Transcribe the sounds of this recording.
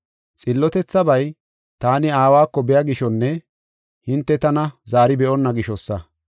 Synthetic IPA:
t͡sʼɪlːɔt̪ɛt͡sːɐbɐj | t̪aːnɪaːwaːkːɔbɛjɐɡɪʃɔnːɛ | hɪnt̪ːɛt̪ɐnɐzaːɾɪbɛʔɔnːɐɡɪʃɔsːɐ

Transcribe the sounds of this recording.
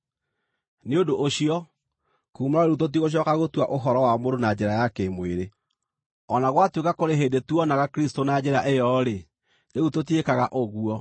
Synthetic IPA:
neodoʔoɕiɔ | kuːmaaeɣut̬ot̬iɣoɕ̬jɔkaɣotwaʔoɦɔɾɔwamoɾonad͡ʑɛɾajakemweɾe | ɔnaɣwatwekakoɾeɦeːndetuɔnaɣakɾistonad͡ʑɛɾaʔejɔɾe | ɾeɣutot̬iekaɣaʔoɣuɔ

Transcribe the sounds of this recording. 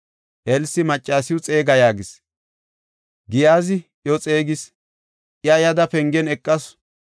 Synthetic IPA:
ʔɛlsɪmɐt͡ʃʼːaːsɪjʊt͡sʼe̞ːɡɐjaːɡɪs | ɡɪjaːzɪ | jɔt͡sʼe̞ːɡɪs | ʔjɐjɐd̪ɐpɛŋɡɛnɛkʼːɐs

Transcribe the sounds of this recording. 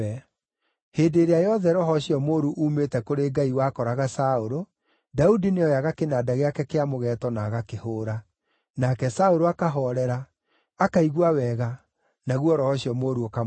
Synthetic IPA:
ɛ | heːdeːɾeajɔðɛɾɔɦɔɕiɔmoːɾuʔuːmetɛkoɾeɡaiwaːkɔɾaɣasaoɾo | daudineɔjaɣakenaːdaɣeakɛkeamoɣɛːtɔnaːɣakehoːɾa | nakɛsaoɾoakaɦɔɾɛɾa | akaiɣwawɛɣa | naɣwɔɾɔhɔɕiɔmoːɾuoka

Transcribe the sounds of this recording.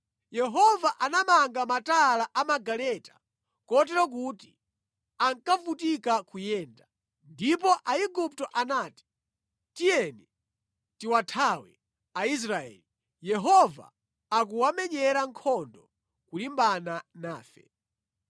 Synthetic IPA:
jɛɦɔvaʔanamaŋɡamatalaʔamaɡalɛtḁ | kɔt̬ɛɾɔk̬uti | aŋkavutikakujɛːnda | ndip̬ɔʔaiɡup̚tɔʔanaːti̥ | tijɛnɛ | tiwatʰawɛ̰ | ais̬ɾaɛ̰li | jɛɦɔva̰ | ak̬uwamɛɲɛɾaŋkʰɔndɔ | kulimbananaːfɛ̰

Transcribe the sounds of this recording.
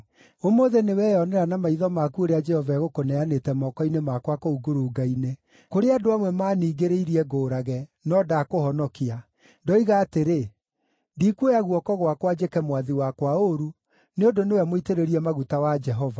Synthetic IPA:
omoðenewɛːjɔnɛɾanamaiðɔmakuoɾead͡ʒɛhɔvaɛɣokonɛanetɛmɔkɔinemakwakouɡoɾuːɡaine | koɾeadoamwɛmaːniːɡeɾeiɾiɛɡoːɾaɣɛnɔdakohɔnɔkia | dɔiɣaːteɾe | ndiːkuojaɣuɔkɔɣwakwad͡ʒekɛmwaðiwakwaoɾu | neodonewɛmoiteɾeɾiɛmaɣutawad͡ʒɛɦɔva

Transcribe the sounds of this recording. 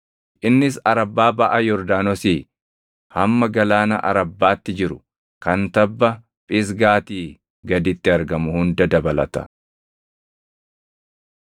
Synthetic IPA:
ʔɪnːɪsɐɾɐbːaːbɐʔɐjɔɾd̪aːnɔsiː | hɐmːɐɡɐlaːnɐ̰ʔɐ̰ɾɐbːaːt̪ːɪd͡ʒɪɾʊ | kɐnt̪ɐbːɐ | pʼɪs̬ɡaːt̪iː | ɡɐd̪ɪt̪ːɪɐɾɡɐmʊhʊnd̪ɐd̪ɐbɐlɐ̰t̪ɐ̥̰

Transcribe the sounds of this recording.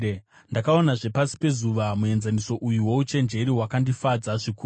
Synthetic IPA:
ndakao̞naʐe̞pasi̥pe̞zuʋamue̞nzaniso̞ʔujuwo̞ut͡ʃe̞nd͡ʒe̞ɾiwakandifad͡zaʐikuː

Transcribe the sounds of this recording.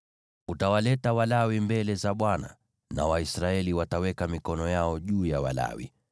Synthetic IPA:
utawalɛtawalawimbɛlɛzaɓwana̰ | na̰waisɾaɛliwatawɛkamikɔnɔjaɔʄuːjawa̰la̰wḭ

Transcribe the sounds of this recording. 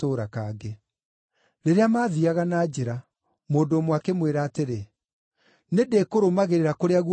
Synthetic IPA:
oːɾakaɡe | ɾeɾeamaːðiaɣanaːd͡ʑeɾa | moːdoːmwakemweɾaːteɾe | nedekoɾomaɣeɾeɾakoɾeaɣ

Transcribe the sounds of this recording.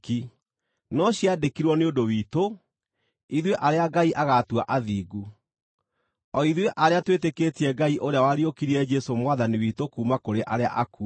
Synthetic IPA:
ki | nɔɕiadekiɾwɔneondowiːto | iðweʔaɾeaɡaiʔaɣatwaʔaðiːɡu | ɔiðweʔaɾeatweteketiɛɡaiʔoɾeawaɾiokiɾiɛd͡ʒɛsomwaðaniwiːtokuːmakoɾeʔaɾea̰ʔaku

